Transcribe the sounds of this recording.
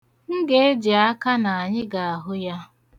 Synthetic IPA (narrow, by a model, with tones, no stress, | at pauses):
ŋ̩˦ɡe˨e˦d͡ʒi˨a˦ka˦na˨a˨ɲɪ˦ɡa˨a˨ɦʊ˦ja˦